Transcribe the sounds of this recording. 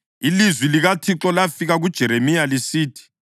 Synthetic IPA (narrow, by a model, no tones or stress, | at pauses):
ilizwiliɣatʰiǁɔlafiɣaɣud̥ʒ̥ʱɛɾemijalisiːtʰi̥